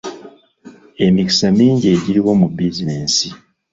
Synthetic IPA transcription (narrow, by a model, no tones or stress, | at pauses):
e̞mici̥samiːɲɟie̞ɟiɾiwo̞mubizineːnsi